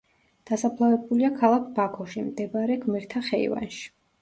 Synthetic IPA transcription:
d̪̥asapʰlˠavɛbuliakʰalˠakʰbakʰɔʃimd̪ɛbaɾɛɡmɛɾt̪ʰaχɛḭva̰nʃi̥

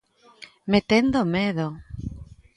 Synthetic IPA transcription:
met̪end̪omeðo

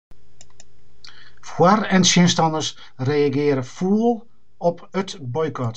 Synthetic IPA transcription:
fwarɛnsɪnstɑnərs | rejaɡɪːɾəfulˠ | ɔpʰətbɔjkɔt

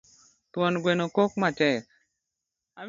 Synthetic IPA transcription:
t̪wɔnɡwenokok̚mat͡ʃɛk | a

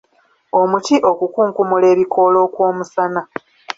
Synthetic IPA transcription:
o̞muciʔo̞kukuːŋkumule̞ːβikʰo̞lo̞ːkwoːmusana

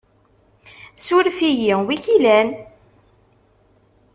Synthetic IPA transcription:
suɾfijiwiçilæn

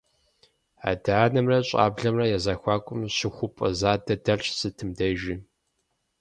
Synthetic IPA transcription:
a̰ːdaːnɐmrɐɕʼa̰ːbɮɐmrɐjɛzaːxʷaːkʷʼʊmɕɪxʷʊpʼɐ̰zaːdɐdɐrʰʼsɨtʰɨmdɐʒɪ

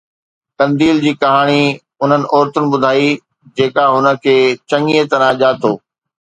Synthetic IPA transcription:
k̪ɐ̃nd̪iːld͡ʑiːkɐɦaːɽ̃i | ʊn̤ənɪ̆ʔɔːɾt̪ʊnɪ̆ɓʊd̪ʱaːi | d͡ʑeːkaɦʊnə̆kʰeːt͡ɕɐŋiet̪ɐɾãʄaːt̪ʰoː

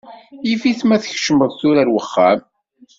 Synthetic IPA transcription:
ifiθmæθəçʃəməðθuɾæɾwəχːæm

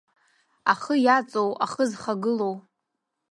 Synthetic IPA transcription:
aχəjat͡sʼowa̰χəzχaɡɨlo̞w

